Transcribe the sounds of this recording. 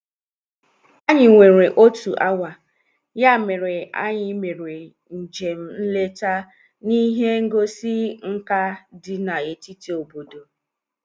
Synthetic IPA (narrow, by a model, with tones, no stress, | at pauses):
a˦ɲɪ˨ŋʷe˨ɾe˨ʔo˦tu˨ʔa˦wa˨ | ja˦˨me˨ɾe˨a̰˦ɲɪ˦me˨ɾe˨ | n̩˨d͡ʒe˨m̩˦n̩˦le˦ta˦ | ni˦ɦe˦ŋ̩˦ɡo˦si˦ŋ̩˦ka˦dɪ˦na˨e˨ti˦ti˨o˨bo˨do˨